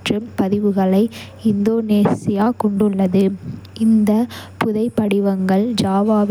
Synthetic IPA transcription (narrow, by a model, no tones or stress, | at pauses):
ʈrɯmpɐðɪʋɯɣɐɭɐɪ | ɪnd̪oːneːsɪjaːkɔɳɖɯɭːɐðɯʔɪnd̪ɐpʊðɐɪpːɐɽɪʋɐŋɡɐɭd͡ʒaːʋaːʋ